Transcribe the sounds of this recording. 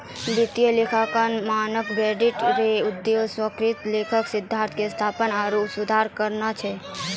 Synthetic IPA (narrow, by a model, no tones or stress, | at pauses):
bit̪ijəlekʰakənmanəkɡɾɛɖiʈɾeud̪ːjeoswəkɾit̪lekʰəksid̪ʱːaɾt̪ʰkest̪ʰapənaɾopsud̪ʱaɾkəɾnat͡ʃʰɛ